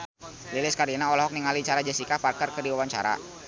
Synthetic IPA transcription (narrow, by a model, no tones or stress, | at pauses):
lilɪskaɾinaɔlɔɦɔk̚niŋalit͡ʃaɾad͡ʒasikaparkərkərdiwawaɲt͡ʃa̰ɾa̰